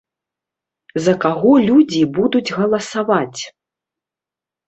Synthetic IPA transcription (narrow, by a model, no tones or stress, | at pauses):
zɐkaɣɔlʲud͡zʲibud̪ud͡zʲɣɐlˠɐsavat͡sʲ